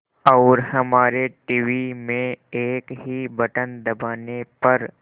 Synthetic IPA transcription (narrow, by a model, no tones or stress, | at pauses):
ɔːɾhɐmaːɾeʈiːʋimẽeːkɦibɐʈənd̪ɐbaːnepɐɾ